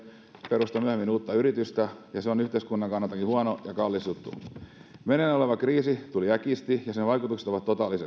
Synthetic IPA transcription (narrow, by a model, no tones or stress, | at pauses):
peɾust̪ɑmyøhemːinuːt̪ːɑyɾit̪yst̪æjɑseonyht̪eiskunːɑŋkɑnːɑt̪ːˑɑkihuɑnojɑkɑlːist̪ut̪ːṵmenenoleʋɑkriːsit̪uliækist̪ijɑsenʋɑikut̪ukset̪oʋɑt̪tːot̪ɑːlːˑise